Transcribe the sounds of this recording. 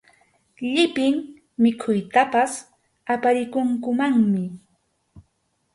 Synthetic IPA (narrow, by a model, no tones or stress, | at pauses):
ʎɪpɪŋ | mɪkʰʊjt̪apas | apaɾɪkʊŋkʊmaŋmɪ